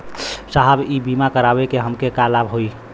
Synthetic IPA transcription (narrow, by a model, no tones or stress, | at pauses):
saɦəbibimakəɾabekeɦəmkekalabɦoi